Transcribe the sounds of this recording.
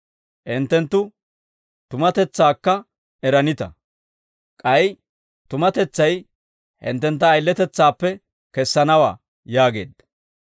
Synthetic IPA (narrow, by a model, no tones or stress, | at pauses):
ʔɪnt̪ːɛnt̪ːʊ | t̪ʊmɐt̪ɛt͡sːaːkːɐ | ɛɾɐnɪt̪ɐ | kʼɐj | t̪ʊmɐt̪ɛt͡sːɐj | hɪ̰nt̪ːɛnt̪̬ːɐːjlːɛt̪ɛt͡sːaːpːɛ | kɛsːɐnɐwa̰ː | jaːɡe̞̰ːd̪